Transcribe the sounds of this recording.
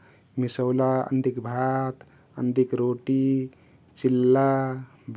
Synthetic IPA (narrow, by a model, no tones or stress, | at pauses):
misəwlaə̰nd̪ikbʱat̪ | ə̰nd̪ikɾoʈi | t͡ʃilːa | b